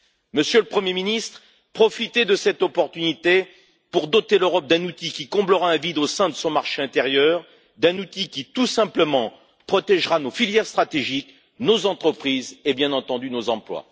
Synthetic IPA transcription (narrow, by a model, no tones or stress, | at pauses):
məsjøləpχəmjeminist̪χ | pχɔfit̪ed̪əsɛt̪ɔpɔʁt̪ynit̪e | puʁd̪ɔt̪eløʁɔp̚d̪ɛ̃nut̪ikʲikɔ̃bləʁaɛ̃vid̪osɛ̃d̪əsɔ̃maʁʃeɛ̃t̪eʁjœʁ | d̪ɛ̃nut̪ikʲit̪usɛ̃pləmɑ̃ | pχɔt̪ɛʒʁanofiljɛʁst̪χat̪eʒik | nozɑ̃t̪χəpχizebjɛ̃nɑ̃t̪ɑ̃d̪ynozɑ̃plwa̰